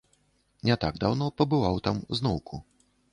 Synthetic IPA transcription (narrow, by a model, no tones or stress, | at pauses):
nʲɛt̪aɡd̪awnɔpɐbɨvawt̪amuznɔwkʰu